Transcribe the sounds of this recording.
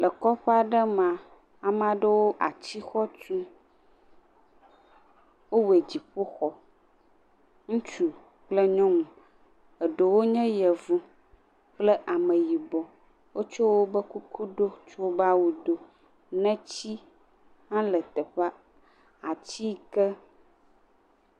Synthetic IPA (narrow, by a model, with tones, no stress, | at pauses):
lə˨kɔ˦ɸe˦a˨ɖə˦mã˨ | a˨m˦a˨ɖə˦wo˦ʔa̰˨t͡ɕi˦xɔ˦t͡ʃu˦ | wo˦we˨d͡ʑi˨ɸo˦xɔ˨ | ŋũ˦t͡ʃu˨ | k͡plə˦ɲɔ̃˦mũ˨ | ə˨ɖo˨wo˦ɲɛ̃˦jɛ˨vu˦ | k͡plɛ˦ʔa˨mə̃˨ji˨bɔ˨ | wo˦t͡ʃo˦wo˦bə˦ku˦kʰu˦ɖo˦t͡ʃo˦ba˦wu˨ɖo˦ | nɛ̃˦t͡ɕi˦ | hã˦lə˨t̪ɛ˨ɸɛ˦ | a˨t͡ɕi˦kɛ˦